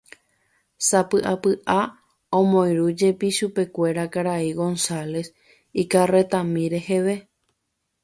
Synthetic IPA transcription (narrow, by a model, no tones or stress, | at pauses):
sapɨʔapɨʔa | õmõ̞j̃ɾud͡ʒe̞piʃupe̞kʷe̞ɾakaɾaiɡo̞nsale̞s | ikare̞t̪ãmĩɾe̞he̞ʋe̞